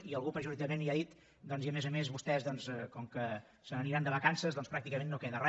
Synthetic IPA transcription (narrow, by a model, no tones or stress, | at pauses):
iəlˠɣupɾəʒuɾit̪amẽnliaðit̪ | d̪ɔnziəmezəmezβust̪ɛzðɔnsɛkɔŋkə | sənəniɾand̪əβəkansəzðɔnspɾak̚t̪ikəmenːokeðərɛ